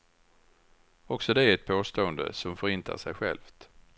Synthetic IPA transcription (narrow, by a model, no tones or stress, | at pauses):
ɔksɔd̪ɛæɾɛt̪̚pʰoːst̪oːənd̪ə̰sɔmfœɾɪnt̪ʰa̰ʂɛjɧɛ̰lft̪